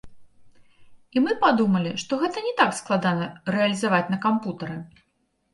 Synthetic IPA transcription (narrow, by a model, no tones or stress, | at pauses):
imɨpad̪umɐlʲiʂt̪ɔɣɛt̪ɐnʲɛt̪aksklˠad̪anɐɾɛɐlʲizavat͡sʲn̪ɐkamput̪ɐɾɨ